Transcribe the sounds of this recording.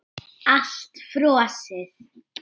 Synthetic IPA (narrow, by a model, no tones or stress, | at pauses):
aɬtfɾoːasɪð